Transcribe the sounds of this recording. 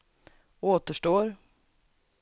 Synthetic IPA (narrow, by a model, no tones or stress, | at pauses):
oːt̪əʂʈoːɾ